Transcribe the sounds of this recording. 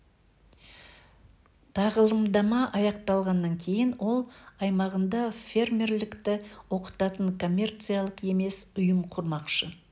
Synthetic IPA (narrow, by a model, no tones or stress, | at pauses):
t̪ʰɑʁəlˠəmd̪ɑmɑʔɑjɑqt̪ɑlˠʁɑnːɑŋkʲʰe̞jɪnwʔo̞lˠɑjmɑʁənd̪ɑfʲe̞rmʲe̞ɾlɪkt̪ɪwo̞qə̥t̪ɑt̪əɴkʰo̞mʲːe̞rt̪sɨjalˠəqe̞me̞sʊjəmqʰʊɾmɑqʃə